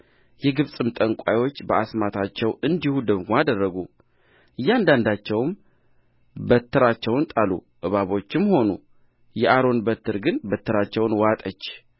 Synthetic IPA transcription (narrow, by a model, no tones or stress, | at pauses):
jɛɡɨβsʼɨmt̪ʼəŋkʷʼajwo̞t͡ʃːbəasmat̪ʰat͡ʃːɛwɨnd̪ihud̪əɡmoad̪ərːəɡu | ʔɨjːand̪and̪at͡ʃːɛwm | bət̪ʰːɨɾat͡ʃːɛwnt̪ʼalṵ | ʔɨβaβo̞t͡ʃːɪmho̞nṵ | jɛʔaɾo̞nbət̪ʰːɨɾɡɨnbət̪ʰːɨɾat͡ʃːɛwnwat̪ʼət͡ʃː